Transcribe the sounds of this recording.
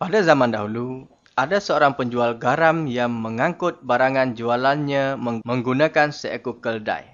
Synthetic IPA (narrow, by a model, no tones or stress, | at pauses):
padazamãndaɦulu | ʔadasəoɾaŋpəɲd͡ʒualɡaɾamjaŋməŋaŋkʊt̪̚baɾaŋãnd͡ʒualanɲãməŋmə̃ŋɡunãkansəʔəkukəlda̰j